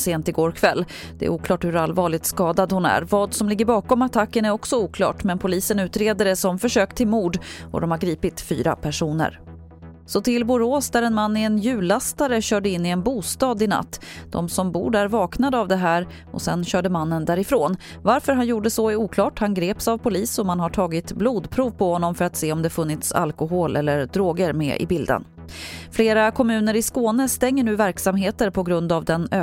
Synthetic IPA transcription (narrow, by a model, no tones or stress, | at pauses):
seːnt̪ɪɡoːɾkʰvɛlː | d̪̥ɛ̰ɛ̰æ̰ʔuːklɑːʈhɵɾalvɑːɭɪɡt̪skɑːd̪ad̪hʊnæ̰ɾvɑːd̪sɔmlɪɡːəɾbɑːkɔmat̪ʰakːənæɾɔksɔuːkʰlɑ̰ːʈmɛnpʰʊliːsənʉ̟ːt̪ɾeːd̪əɖɛsɔmfœʂøːkt̪ʰːɪlmuːɖɔ̰d̪ɔmhaɾɡɾiːpɪt̪fy̰ːɾa̰pʰæʂuːnə̰ɾ | sɔt̪ʰɪlbʊɾoːsd̪æɾɛnmanːɪɛnjʉ̟ːlast̪aɾəɕœːɖəɪnːɪɛnbuːst̪ɑːd̪ɪna̰t̪ːd̪̥ɔ̰msɔmbṵːɖæɾvɑːknad̪avd̪ɛɦæːɾ | ʔɔ̰sɛ̰nɕœːɖəmanːənd̪æːɾɪfɾoːn | vaɾfœɾɦanjuːɖəsɔæɾuːkʰlɑːʈhanɡɾeːpsavpʰʊliːsɔmanɦaʈʰɑːɡɪt̪bluːd̪pʰɾuːvpʰɔhɔnːɔmfœɾat̪seːɔmd̪ɛfɵnːɪt̪sa̰lkʊɦoːlʔɛlːəɾd̪ɾoːɡəɾmɛ̰ʔɪ̰bɪld̪ə̰n | fleːɾakʰɔmʉ̟ːnəɾɪskoːnəst̪ɛŋːəɳʉ̟ːvæɾksamɦeːt̪əɾpʰɔɡɾɵnd̪avd̪ɛnøː